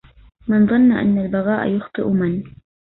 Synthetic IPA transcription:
mɪnðˤɑnːaʔa̰nːalbɑɣɑːʔa̰jʊxt̪ˤɨʔʊman

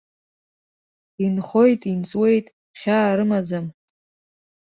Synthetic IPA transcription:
inχo̞jtʼint͡sʼwe̞jtʼ | χʲaːɾɨmad͡zam

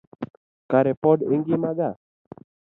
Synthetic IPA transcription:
kaɾepɔdḛŋɡimaɡa

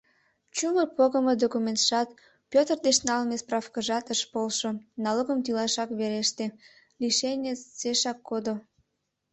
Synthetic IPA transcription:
t͡ɕuməpoɣəməd̪okumʲent̪ʃɑt̪ | pʲøt̪ərd̪eʃnɑlmesprɑfkəʒɑt̪əʃpolʃonɑloɣəmt̪ylɑʃɑkβeɾeʃt̪e | liʃenʲet͡seʃɑkːod̪o

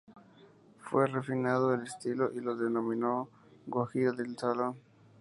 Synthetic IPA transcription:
fwere̞finaðoelest̪iloʔiloðenomĩno | ɡoxiaðeltaloŋ

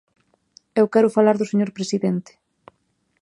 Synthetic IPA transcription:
ewkɛɾʊfalaɾðʊseɲoɾpɾesiðent̪e̥

